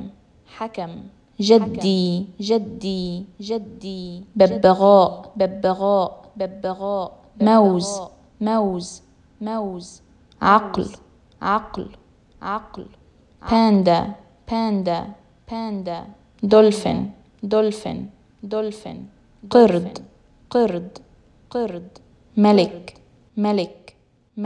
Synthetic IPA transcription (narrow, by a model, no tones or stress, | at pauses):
ħakam | ʒad̪ːiʒad̪ːiʒad̪ːibɪbːɪɣaːʔbɪbːɪɣaːʔbɪbːɪɣaːʔ | mawz | mawz | mawz | ʕɑql | ʕɑql | ʕɑql | paːnd̪a | paːnd̪a | paːnd̪a | d̪ʊlfɪ̰n | d̪ʊlfɪ̰n | d̪ʊlfɪ̰n | qɑɾd̪ | qɑɾd̪ | qɨɾd̪ | malɪk | malɪk | m